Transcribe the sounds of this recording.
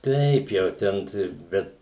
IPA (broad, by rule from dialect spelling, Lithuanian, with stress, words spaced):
ˈtʲɛɪp jɛʊ ˈtʲɛn tɐɪ ˈbʲɛt